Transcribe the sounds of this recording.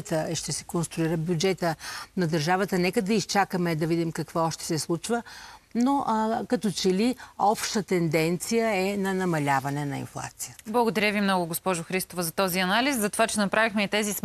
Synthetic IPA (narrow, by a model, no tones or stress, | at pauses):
t̪əʃt̪ɛsɛ̥konst̪ɾʊiɾəbʲjud͡ʒɛt̪ənɐd̪əɾʒavət̪ənɛkəd̪ɐist͡ʃakəmɛd̪ɐvid̪imkɐkvɔɔʃt̪ɛ̥sɛslˠut͡ʃvənoʔkɐt̪ɔt͡ʃɛliɔpʃt̪ət̪ɛnd̪ɛnt̪sijəɛnɐnɐmɐlʲavɐnɛnɐḭnflˠa̰t̪sijəblˠɐɡod̪ɐɾʲjəvimnɔɡʊɡospɔʒʊxɾist̪ovəzɐt̪ɔziɐnaliszɐt̪ovat͡ʃɛnɐpɾavixmɛit̪ɛzis